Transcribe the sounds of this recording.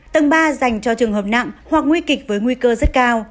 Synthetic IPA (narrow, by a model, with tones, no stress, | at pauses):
t̪ə˧˩ŋɓaː˧za˨˩jŋ̟t͡ɕɔ˧t͡ɕɨ˨˩əŋɦəː˨˩p̚na̰˧˨ŋhwa˨˩k̚ŋwi˧kï˨˩k̟̚vəː˨˦jŋwi˧kəː˧zə˦˥t̚kaː˧w